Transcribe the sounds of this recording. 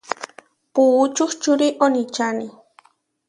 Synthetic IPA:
puːt͡ʃʊχt͡ʃʊɾiʔonit͡ʃani

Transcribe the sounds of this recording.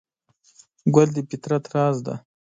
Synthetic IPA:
ɡʷald̪ipit̪ɾat̪ɾɑzd̪a̰

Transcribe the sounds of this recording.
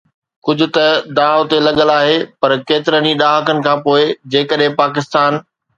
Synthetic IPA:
kʊd͡ʑʱʊ̆t̪ɐd̪aːʊt̪elɐɠəlaːɦepɐɾkeːt̪ɪɾəniɗaːɦəkənɪ̆kʰãːpoːɪd͡ʑeːkəɗɦẽpaːkɪst̪aːn

